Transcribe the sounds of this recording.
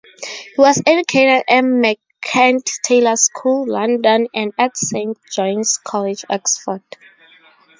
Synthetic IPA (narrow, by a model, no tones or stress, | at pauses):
hiwɔsɛd͡ʒukʰetɛdɛnmɛ | kʰɛ̃nttʰelaskʰulːãndɔ̃nɛ̃ndatsẽnt̚d͡ʒɔ̃jnskʰɔlɛd͡ʒɛksfɔd